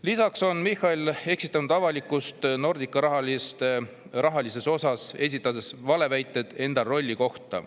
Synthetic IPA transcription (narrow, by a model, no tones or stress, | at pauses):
lisɑkso̞nmixːɑile̞ksit̪ːˑɑnud̪ɑvɑlikːˑust̪no̞rd̪̥ikːˑɑɾɑɦɑst̪e | rʔɑɦɑlise̞so̞sɑse̞s̬ʲit̪ːˑɑd̪esvɑle̞væjt̪ˑːe̞d̪̥e̞nd̪ɑro̞lʲːiko̞ht̪ɑ̰